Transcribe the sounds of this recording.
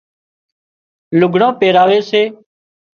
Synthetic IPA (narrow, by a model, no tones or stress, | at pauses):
lʊɡʱɳãːpeːɾaːʋeːseː